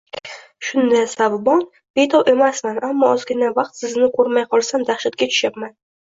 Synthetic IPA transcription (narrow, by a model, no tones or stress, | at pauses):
ʃʊnd̪asabbɒn | b̥e̞jt̪ʰɒwʔe̞masmanamːɒɒzɡʲɪnavɑq̚t̪sɪznɪqʰoɾmajqʰɒlˠsamd̪aχʃat̪̚kʲat͡ʃʰʊ̥ʃapman